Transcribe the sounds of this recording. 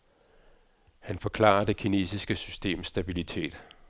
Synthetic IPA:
hænfɒ̽kʰlɑ̰̈ːɐd̥e̝kʰine̝̰ːsisɡ̥əsysd̥e̝̰ːmsd̥æb̥ilit͡sʰe̝̰ːd̥

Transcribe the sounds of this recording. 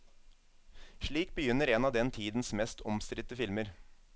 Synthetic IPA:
ʂɭiːk̚bəjʏnːəɾeːnɑːʋd̪ɛnt̪ʰiːd̪n̩smɛst̪ɔmst̪ɾɪt̪əfɪlməɾ

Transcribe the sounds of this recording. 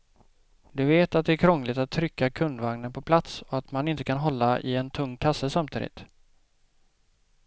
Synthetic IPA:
d̪ɵveːt̪at̪̚d̪ɛæːɾkʰɾɔŋːlɪt̪at̪ʰːɾʏkːakʰɵnd̪vaŋnənpʰɔpʰlat̪sɔat̪manɪnt̪əkʰanɦɔlːaʔɪ̰ɛnt̪ʰɵŋːkʰasəsamt̪ʰḭːd̪ɪ̰t̪

